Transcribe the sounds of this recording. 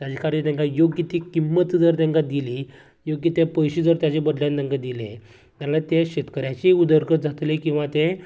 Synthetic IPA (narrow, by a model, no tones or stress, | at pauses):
t̪jat͡ɕekaɾiɾt̪jãŋkajoɡjət̪ikimːət̪d͡zəɾt̪jãŋkad̪ili | joɡjət̪epəjɕid͡zəɾt̪jat͡ɕebəd̪ljãnt̪jãŋkad̪ilḛ | t̪jalat̪eɕet̪kəɾjat͡ɕiud̪əɾkəd͡zʱat̪lekĩw̃ʋat̪e